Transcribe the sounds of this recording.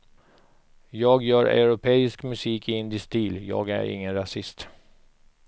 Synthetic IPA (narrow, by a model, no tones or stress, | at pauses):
jɑːɡjœːɾa̰ʉɾʊpʰeːɪskmɵsiːkʰɪɪnd̪ɪst̪iːljɑ̰ːɡæ̰ɾɪ̰ŋːənɾasɪst̪